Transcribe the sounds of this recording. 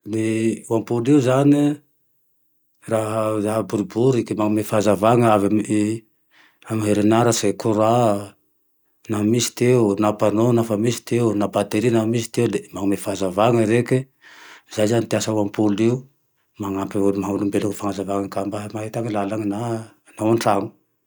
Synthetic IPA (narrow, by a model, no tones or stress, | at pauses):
niwampuliuzani | ɾaɦazaɦabuɾubuɾikemaŋmefazavaŋaavei | amɦeɾenaɾasekuɾa | naamisi̥t̪eunapanonafamisi̥t̪eunabat̪eɾinamisi̥t̪eulemaŋmefazavaŋəɾeke | zajzanit̪iasawampuliu | maŋampiumaɦaunumbeluŋifaŋazavaŋakambaɦmaɦet̪aŋilalaŋana | naaɳʈ͡ʂaŋu̥